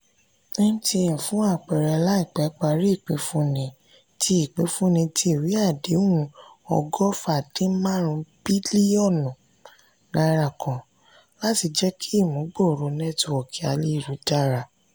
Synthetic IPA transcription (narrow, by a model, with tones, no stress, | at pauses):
e˦ũ˦ti˧jɛ̃˨fũ˨˦a˦˨k͡pɛ˨ɾɛ˨˧la˦i˨k͡pɛ˨˦k͡pa˧˨ɾi˦i˦˨k͡pe˨˦fũ˦nĩ˨˧ | ti˧˦i˦˨k͡pe˨˦fũ˦nĩ˧ti˧i˦˨wi˨˦a˦˨de˨˦o˦ũ˧ɔ̰˧ɡɔ˦fa˦˨dĩ˨˦mã˦ɾ̃ũ˧b̥i˦li˦ɔ˦˨nɔ̃˨ | nã˧˦ɾa˧˨kɔ̃˨ | la˦ti˧d͡ʒɛ˦kʰi˦i˦˨mũ˨˦ɡ͡bo˦˨ɾo˨˦nɛ̃˦tɔ˨ɔ˨ki˨a̰˧li˦˨ɾu˨˦da˦˨ɾa˨